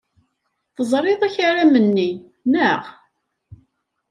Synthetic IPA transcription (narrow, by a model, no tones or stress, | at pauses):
θəzˤɾˤeðˤæçaɾamənːi | nəʁ